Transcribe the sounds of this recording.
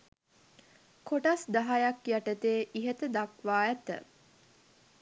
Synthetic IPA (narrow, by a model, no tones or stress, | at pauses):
koʈasd̪aɦajakjaʈət̪eːʔiɦet̪əd̪akʋaːjæt̪ə̰